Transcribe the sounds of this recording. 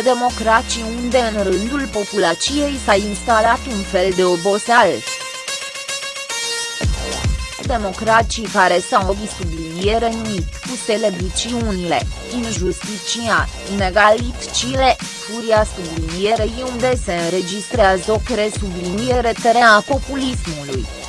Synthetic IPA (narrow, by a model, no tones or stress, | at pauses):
d̪e̞mo̞kɾatt͡ʃiund̪e̞ɨnrɨnd̪ulpo̞pulat͡ʃije̞jsainst̪alat̪unfe̞ld̪e̞obo̞sals | d̪e̞mo̞kɾat͡ʃikaɾe̞sawoɡisublinijeɾenmit̪ʲkuselevit͡ʃiunile̞̰ | inʒust̪it͡ʃia | neɡalit̪t͡ʃilefuɾiasublinije̞ɾejiund̪e̞se̞ɨnɾe̞d͡ʒist̪ɾeazokɾe̞sublinijeɾe̞t̪eɾeapo̞pulismuluj